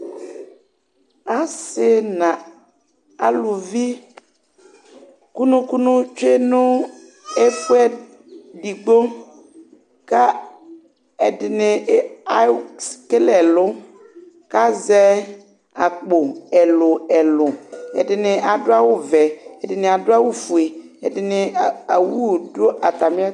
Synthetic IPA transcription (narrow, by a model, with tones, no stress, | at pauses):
a˦sɪ˦nã˨ | a˨lʊ˨vi˦ | ku˦nʊ̃˦ku˦nʊ̃˦t͡ʃe˦nʊ̃˦ | ɛ˦fu˦ɛ˦ | di˨ɡ͡bo˦ŋ | ka˦ | ɛ˨dɪ˨nɪ˨˦a˨˦ske˦lɛ˨lʊ˦ | ka˦zɛ˦ | a˨k͡po˨ɛ˨lʊ˨ɛ˨lʊ˨ɛ̰˨dɪ˨nɪ˨ʔa˨dʊ˦a˦wʊ˦vɛ˨ɛ˨dɪ˨nɪ̃˨a˨dʊ˦a˦wu˦fu˨e˨ | ɛ˨dɪ˨nɪ˨a˨wu˦˨dʊ˦ʔa˨t̪a˨mɪ̃˦a˦